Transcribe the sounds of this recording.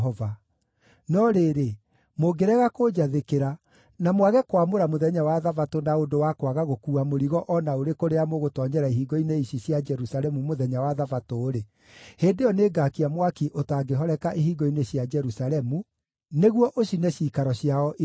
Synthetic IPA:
ɔva | nɔɾeːɾe | moɡeɾɛɣakod͡ʒaðekeɾa | namwaɣɛkwamoɾamoðɛɲawaðavatonaondowakwaɣaɣokuːamoɾiɣɔʔɔnaoɾekoɾeamoɣotɔɲɛɾaiɦiːɡɔineiɕiɕjad͡ʒɛɾusalɛmumoðɛɲawaðavatoːɾe | heːndeɔneːɡakiamwakiʔotaːɡeɦɔɾɛkaʔiɦiɡɔineɕjad͡ʒɛɾusaɾɛmu | neɣwɔʔoɕinɛɕiːkaɾɔɕjaɔʔi

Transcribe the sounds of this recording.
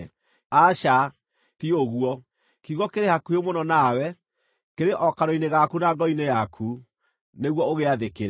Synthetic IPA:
aʃa | tioɣwɔ | kiɣɔkeɾehakuemonɔnawɛ | keɾeʔɔkaɾoineɣakunaɡɔinejakʰu | neɣwɔoɣeaðekeɾɛ

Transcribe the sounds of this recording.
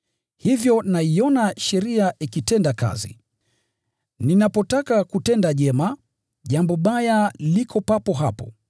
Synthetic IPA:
hivjɔnaiɔnaʃɛɾiaʔikitɛndaka̰zḭ | ninapɔtakakutɛndaʄɛma | ʄambɔɓajalikʰɔpapɔɦapɔ̰

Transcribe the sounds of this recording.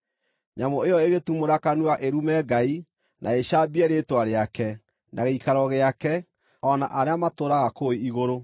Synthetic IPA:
ɲamɔejɔeɣetumoɾakanwaʔeɾumɛːɡai | nʔa̰eɕabiɛɾetwaɾeakɛ | nʔaɣeikaɾɔɣeakɛ | ɔna̰ʔaɾeamatoɾaɣakoiiɣoɾo

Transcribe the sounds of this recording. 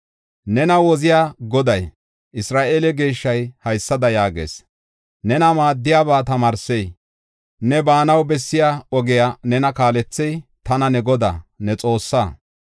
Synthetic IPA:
nɛnɐwɔzɪjaːɡɔd̪ɐj | ʔɪsɾaːʔeːlɛɡe̞ːʃːɐjhɐjsːɐd̪ɐjaːɡḛːs | nɛnɐmaːd̪ːɪjaːbaːt̪ɐmaːɾsej | nɛbaːnɐwbɛsːɪjaːɔɡɪjaːnɛnɐkaːlɛt͡sːɛjt̪ɐnɐnɛɡɔd̪a̰ːnɛt͡sʼo̞ːsːaː

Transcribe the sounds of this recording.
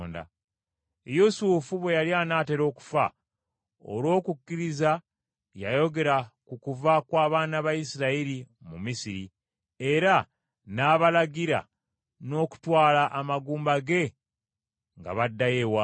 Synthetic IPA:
nda̰ | jusuːfuβwe̞jaljanaːte̞ɾo̞ːku̥fa̰ | o̰lwo̞ːkukːiɾiza | jajo̞ɡe̞ɾakukuvakwaːβaːnaβajisiɾaiɾi | mumisiɾi | e̞ɾa | naːβalaɡiɾa̰ | no̞ːku̥twaːlaʔːmaɡuːmbaɡe̞ | ŋɡa̰βadːajewa

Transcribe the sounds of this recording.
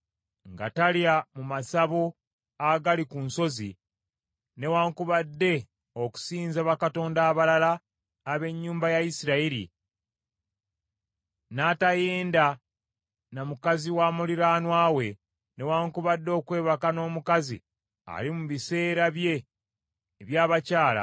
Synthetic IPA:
ŋɡa̰taljamumasaβo | aɡalikunso̞zḭ | ne̞waːŋkuβadːe̞ | oku̥siːnzaβakato̞ːndaːβalalaː | βe̞ɲːuːmbajajisiɾaiɾḭ | natajeːnda | namukaziwaːmuliɾaːnwaːwe̞ | ne̞waːŋkuβadːo̞ːkwe̞ːβakano̞ːmukazḭ | a̰limuβise̞ːɾaβje̞ː | βjaːβacaːla̰

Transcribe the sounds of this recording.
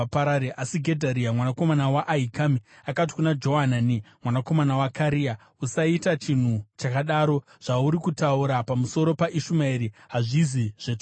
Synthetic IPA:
paɾaɾeʔasiɡʱedʱaɾiamwanako̞manawaʔaɦikamiakat̬i̥kunad͡ʒo̞ɦananimwanako̞manawakaɾija | usaitat͡ʃin̤ut͡ʃakaɗaɾo̞ | ʐ̥auɾikutauɾapamuso̞ɾo̞paʔiʃumaiɾiɦaʐiziʐ̥et͡ʃ

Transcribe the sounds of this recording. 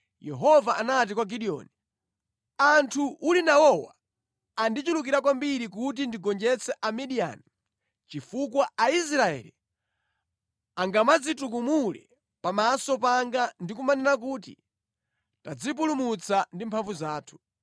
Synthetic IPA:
jɛɦɔvaʔanat̬ikwaɡiɗiɔ̰ːni | antʰuʔulinawɔwa̰ː | ndit͡ʃulukiɾakwambiɾik̬ut̬indiɡɔnd͡ʒɛt͡sʰɛʔamiɗia̰ni | t͡ʃifukwaais̬ɾaɛ̰li | aŋɡamad͡zituk̬umulɛ̰ | pamasɔpaŋɡandikumanɛnak̬uːtḭ | tad͡zipulumut͡sʰandimpʰaɱvuzaːtʰu̥

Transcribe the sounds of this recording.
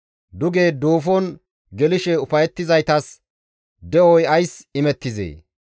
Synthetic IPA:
d̪ʊɡe̞ːd̪o̞ːfɔn | ɡɛlɪʃɛʊfɐjɛt̪ːɪzɐjt̪ɐs | d̪ɛɔjɐjsɪmɛt̪ːɪzḛː

